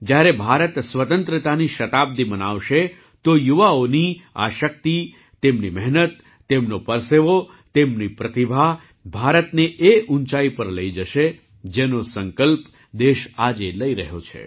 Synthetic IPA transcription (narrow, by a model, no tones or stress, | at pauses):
d͡ʒjaɾebʱaɾət̪sʋət̪ənt̪ɾət̪aniʃət̪ab̚d̪imənaʋʃe | t̪ojuʋaonia̰ʃək̚t̪i | t̪emnimɛɦnət̪ː | emnopəɾseʋo | t̪emnipɾət̪ibʱa | bʱaɾət̪neʔeʔunt͡ʃaipəɾləid͡ʒəʃe | d͡ʒenosəŋkəlp | d̪eʃad͡ʒeləiɾəɦjot͡ʃʰḛ